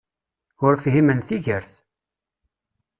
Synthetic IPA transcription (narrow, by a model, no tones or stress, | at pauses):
ʊɾfɦimənθiʝəɾθ